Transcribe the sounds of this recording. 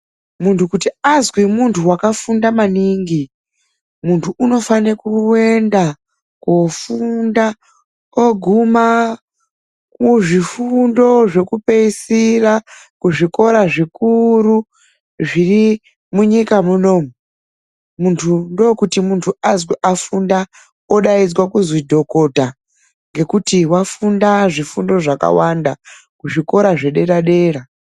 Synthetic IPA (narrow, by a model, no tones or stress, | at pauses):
muntʰukutiazwimuntʰuwakafundamaniŋɡi | muntʰuʔuno̞fanekuwenda | kofunda | oɡʱuma | kuʐifundo̞ʐe̞kupe̞isira | kuʐiko̞ɾaʐikuɾu | ʐiri | muɲikamuno̞ːmu | muntʰundokutimuntʰuazwiʔafunda | oɗaid͡zwakuzwidʱo̞ko̞ta | ŋɡe̞kutiwafundaʐifundo̞ʐaka̰wanda | kuʐiko̞ɾaʐe̞ɗe̞ɾaɗe̞ːra